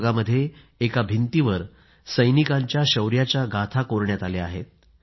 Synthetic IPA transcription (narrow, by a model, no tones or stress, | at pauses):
ɡaməd̪ʱːje | ekabʱint̪iʋəɾ | səjnikaɲt͡ɕjaɕəwɾjat͡ɕjaɡat̪ʰakoɾɳjat̪alea̰ɦet̪̚